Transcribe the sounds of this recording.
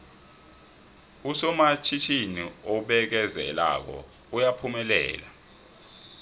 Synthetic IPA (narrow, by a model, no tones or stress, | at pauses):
usɔmat͡ʃʰit͡ʃʰiniɔɓɛk̬ɛzɛ̰la̰k̬ɔ̰ | ujapʰumɛlɛ̰ːla